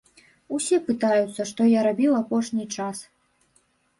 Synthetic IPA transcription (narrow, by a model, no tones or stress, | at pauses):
usʲɛpɨt̪ajut̪sːɐʂt̪ɔjaɾabʲiwapɔʂnʲit͡ʂas